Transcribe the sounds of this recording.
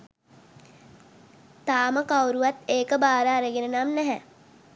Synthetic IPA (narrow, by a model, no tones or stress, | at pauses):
t̪aːməkawɾuʋat̪eːkəbaːɾəːɾəɡenənamnɛɦɛ